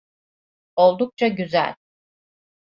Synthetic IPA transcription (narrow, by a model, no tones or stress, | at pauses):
o̞lˠd̪uk̚t͡ʃʰaɟyzæ̰lʲ